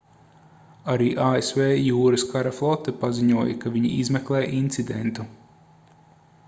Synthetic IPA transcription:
aɾiːʔaːesveːjuːɾɨskʰaɾaflˠɔt̪ːɛpaziɲuɔjɐ̰kaviɲḭʔizmɛklˠɛːjʔint̪sid̪ḛnt̪u

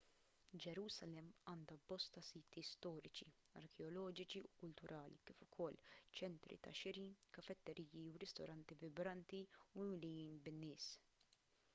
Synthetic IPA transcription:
d͡ʒɛɾuːsɐlɛmːɐːnd̪ɐbɔst̪ɐsiːt̪ist̪ɔːɾɪt͡ʃi | ɐ̰ɾkɛɔlɔːd͡ʒɪt͡ʃiukʊlt̪ʊɾʔɐːlḭkɪːfʊkʰɔlːt͡ʃɛnt̪ɾḭt̪ɐ̰ʃɪɾinkɐfɛt̪ːɛɾʔiːjiuɾɪst̪ɔ̰ɾɐnt̪ivɪbɾɐnt̪iuɪmlɪjiːnbɪnːɪːs

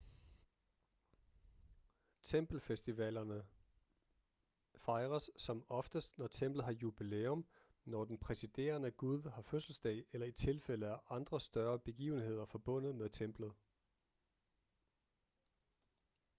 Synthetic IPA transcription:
t͡sʰemb̥l̩fesd̥iʋɛlɐnə | fɑ̈ɪʁɐsːɒ̽mɒ̽fd̥əsd̥nɒt͡sʰem̰b̥lð̩ˠɦɑ̈jub̥ileɔm | nɒd̥enpʰʁɛsid̥e̝̰ːɐnəɡ̥uð̞ˠhɑ̈føsl̩sd̥ɛ̰ɪelɐit͡sʰe̝lfel̰əæʔɑ̈nd̥ʁɐsd̥ɶɐb̥e̝ɡ̥ḭːʊn̩he̝ð̞̰ˠɐfɒ̽b̥ɔ̽n̰ð̞̩ˠmeðˠt͡sʰem̰b̥lð̩ˠ

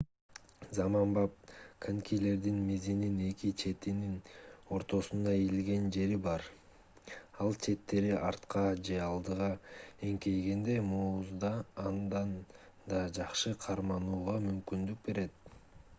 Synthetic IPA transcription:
zɑmɑmbɑp̚kʰaŋkʲile̞ɾd̪inmizinine̞kit͡ʃʰe̞t̪inino̞ɾt̪o̞sund̪ɑilɡe̞nd͡ʒe̞ɾibɑɾ | ɑlˠt͡ʃʰe̞t̪ːe̞ɾiʔɑɾt̪qɑd͡ʒe̞ɑlˠd̪ɯʁɑe̞ŋke̞jɡe̞nd̪e̞muːuzd̪ɑːnd̪ɑn | d̪ɑd͡ʒɑqʃɯqʰɑɾmɑnuːʁɑmymkynd̪yk̚be̞ɾe̞t̪̚

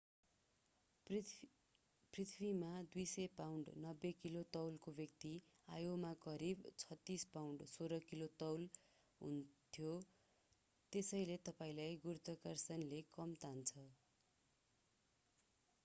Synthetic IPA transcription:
prit̪ʰbimad̪ujsʌjpawɳɖnʌbːekilot̪ʌwlkobjʌk̚t̪iajomakʌɾibt͡sʰʌt̪ːispawɳɖsoɾʌkilot̪ʌwl | ɦṵnt̪ʰjo | t̪esʌjlet̪ʌpaĩlajɡurut̪ʌkʌrsʌnlekʌmt̪ant͡sʰʌ

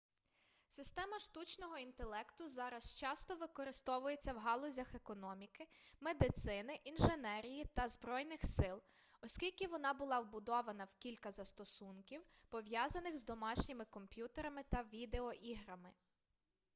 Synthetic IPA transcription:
sɪst̪ɛmɐʃt̪ut͡ʃnɔɦɔint̪elˠɛkt̪ʊzɑɾɐst͡ʃɑst̪ɔʋɪkɔɾɪst̪ɔʋʊje̞t͡sʲːɐwɦɑlˠɔzʲɐxekɔnɔmʲikɪmed̪ɪt̪sɪnɪʔinʒenɛɾʲijit̪ɐzbɾɔjnɪxsɪlˠ | ɔskʲilʲkʲɪʋɔnɑbʊlˠɑwbʊd̪ɔʋɐnɐwkʲilʲkɐzɐst̪ɔsunkʲiwpɔʋjɑzɐnɪxzd̪ɔmɑʃnʲɪmɪkɔmpʲjut̪eɾɐmɪt̪ɐʋʲid̪eɔʔiɦɾɐmɪ

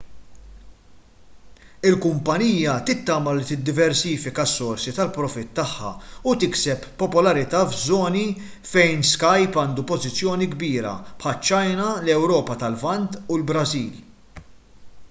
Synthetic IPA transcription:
ɪlkʊmpɐniːjɐt̪ɪt̪ːɐːmɐlit̪ɪd̪ːɪvɛɾsiːfɪkɐsːɔɾsit̪ɐlpɾɔfɪt̪ːɐħːɐ̰ut̪ɪksɛpːɔpɔlɐɾɪt̪ɐːvzɔːni | fɛjnskɐjpɐːnd̪upɔzɪt͡sːjɔːniɡbiːɾɐ̰pħɐlt͡ʃːɐjnɐlɛwɾɔːpɐt̪ɐlvɐnt̪ulbɾɐziːl

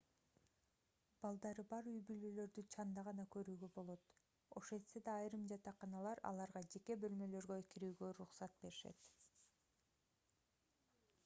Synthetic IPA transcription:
b̥ɑlˠd̪ɑɾɯbɑɾyjbylølø̞ɾd̪yt͡ʃʰɑnd̪ɑʁɑnɑkø̞ɾyːɡø̞bo̞lˠo̞t̪ | o̞̰ʃe̞nse̞d̪ɑːjɾɯmd͡ʒɑt̪ɑqɑnɑlˠɑɾɑ̰lˠɑɾʁɑd͡ʒe̞ke̞bø̞lmø̞lø̞ɾɡøkiɾyːɡø̞ɾuχsɑt̪̚be̞ɾiʃḛt̪

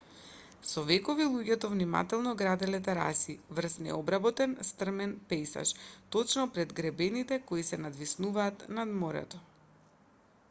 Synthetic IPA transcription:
sɔvɛkɔvilˠuɟɛt̪ɔvnima̰t̪ɛlˠnɔɡɾad̪ɛlɛt̪ɛɾa̰sivr̩snɛ̰ɔbɾabɔt̪ɛnst̪r̩mɛnpɛjsa̰ʃt̪ɔt͡ʃnɔpɾɛd̪ɡɾɛbɛnit̪ɛkoisɛnad̪visnuvaːt̪nad̪moɾɛ̰t̪ɔ

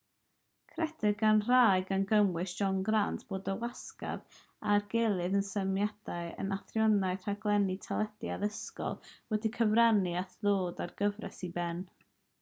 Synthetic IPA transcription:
kʰrɛdɪɡanr̥ajɨɡanɡəmwɨsʒ̥ɔnɡrantʰb̥oːdəwaska̰v | arɡelˠɨðənsəmjad̥aɨə̰naθrjɔnaɨr̥aɡ̥lˠɛnitʰalˠɛd̥jaðəskɔ̰lˠwɛdikʰəvranɨaθðoːdarɡəvrɛ̰sibɛn

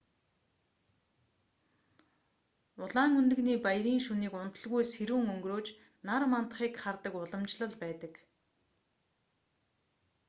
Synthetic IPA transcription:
ʊɮaːŋunt̪ɘ̆ɣniːpajɾiːŋʃuniːkʊn̥t̪ə̆ɮɣujsxeɾuːŋɵŋɡroːt͡ɕ | narmant̪ə̆χiːkχart̪ə̆kʊɮɞ̆mt͡ɕɮə̆ɮpæːt̪ə̆k

